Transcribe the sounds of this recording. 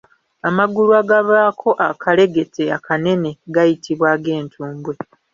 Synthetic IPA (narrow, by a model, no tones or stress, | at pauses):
amaɡuluwaɡaβaːkʰo̞ʔakʰale̞ɡe̞tʰeakʰane̞ne̞ɡajitʰiβwaːɡe̞ːntʰuːmbwe̞